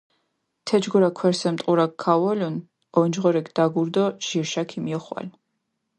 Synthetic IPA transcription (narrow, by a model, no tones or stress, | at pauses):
t̪ʰɛd͡ʒɡɔɾakʰwɛɾsɛmt̪ʼuɾakʰːawɔlun | ɔnd͡ʒʁɔɾɛkʰd̪̥aɡuɾd̪ɔʒ̥iɾʃakʰimiɔχwa̰l